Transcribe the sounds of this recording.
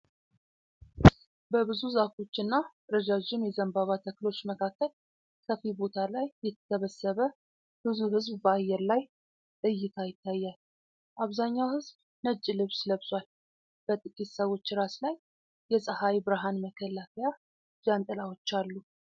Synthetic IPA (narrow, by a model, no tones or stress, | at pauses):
bəβɨzuzafo̞t͡ʃːɨnːa | ɾəd͡ʒad͡ʒɪmjɛzəmbaβat̪ʰəkɨlo̞t͡ʃːməkʰakːəl | kʰəfibo̞t̪ʰalajːɛt̪ʰəsəβəsːəβə | b̥ɨzuhɨzbbəajɛɾlaj | t̪ʼɨjːɪt̪ʰajɪt̪ːajːal | ʔaβzaɲːawhɨzb | nəd͡ʒːilɨβsləβsʼwal | b̥ət̪ʼɨkʼit̪səwo̞t͡ʃːɾaslajː | ɛsʼəhajbɨɾaɦanməkʰəlafʰeja | d͡ʒant̪ʼəlawot͡ʃːalːu